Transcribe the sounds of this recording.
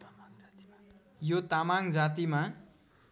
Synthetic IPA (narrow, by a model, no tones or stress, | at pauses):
jot̪amaŋd͡zat̪ima